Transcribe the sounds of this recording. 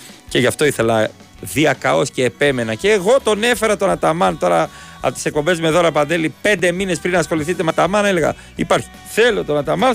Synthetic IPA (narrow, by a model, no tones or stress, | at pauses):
ce̞ʝɐft̪o̞iθe̞lɐ | ðiɐkɐo̞sceːpe̞me̞nɐceːɣo̞t̪o̞ne̞fe̞ɾɐt̪o̞nɐt̪ɐmɐnt̪o̞ɾɐɐ̰pot̪i̥se̞k̚po̞mbezme̞ðo̞ɾɐpɐnd̪e̞lipe̞nd̪e̞mine̞spɾinɐsxo̞liθit̪emɐt̪ɐmɐnelɣɐ̰ | ipɐɾçi̥ | θe̞lo̞t̪o̞nɐt̪ɐmɐn